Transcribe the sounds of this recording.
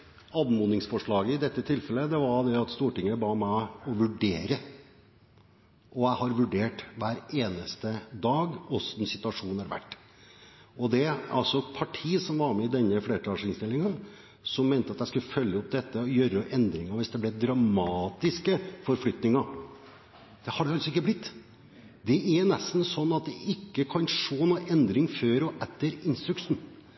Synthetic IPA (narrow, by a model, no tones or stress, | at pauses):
ɑːd̪muːnɪŋsfɔʂɭɑːɡəɪd̪ɛt̪ːət̪ʰɪlfɛlːəd̪ɛʋɑɾd̪ɛɑt̪st̪uːʈɪŋːəbɑːmæɪɔʋʉɖeːɾə | ʔɔæɪhɑɾʋʉɖeːʈʋæːɾeːnəst̪əd̪ɑːɡɔsnsɪt̪ʉɑʂuːnɑɾʋæ̰ʈː | ɔd̪ɛɑ̰lsɔpʰɑʈʰiːsɔmʋɑɾmɛɪd̪ɛnːəfleːɾəʈʰɑːʂɪŋst̪ɪlɪŋən | sɔmːeːnt̪əɑt̪jæɪskʉləfœljəɔp̚d̪ɛt̪ːəjøːɾəʔɛnd̪ɾɪŋɑʋɪsd̪ɛblɛd̪ɾɑmɑːt̪ɪskəfɔɾflʏt̪nɪŋɑ | d̪̥ɛhɑɖɛɑlsɔɪkːəblɪt̪ː | d̪ɛʔɛnɛst̪n̩sɔnːɑt̪̚d̪ɛʔɪkːəkʰɑnʂoːnuːʔɛnd̪ɾɪŋføːɾɔʔɛt̪ːəɾɪnst̪ɾʉkʂn̩